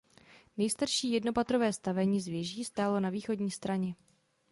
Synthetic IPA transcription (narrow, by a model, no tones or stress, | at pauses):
nɛjst̪aɾʃiːjɛdno̞pat̪ɾovɛːst̪avɛɲiːzvjɛʒiːst̪aːlo̞naviːxo̞dɲiːst̪ɾaɲɛ